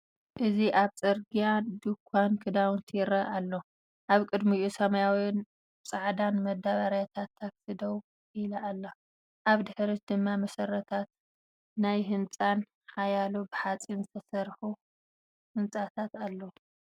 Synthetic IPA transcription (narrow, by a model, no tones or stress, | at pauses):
ʔɨziʔaβt͡sʼɐɾɡijad̪ukʰʷːankʰɨd̪awnt̪ʰiɾɐalːo | ʔaβkʼɨd̪miusɐmɐjawin | t͡sʼaʕd̪anmɐd̪aβaɾjat̪ʰat̪ʰːaksɨd̪ow | ilaːlːɐ | ʔaβd̪ɨħɾit̪̚d̪ɨmːamɐsɐrːɐt̪ʰat̪̚ | najɦɨnt͡sʼan | ħajalubɨħat͡sʼinzɨt̪ʰɐsɐɾħu | hɨnt͡sʼat̪ʰat̪alːow